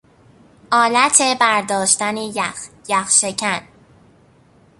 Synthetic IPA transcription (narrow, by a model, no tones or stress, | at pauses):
ʔɒːlæt̪ʰebæɾd̪ɒːʃt̪ænejæx | jæxʃecʰæn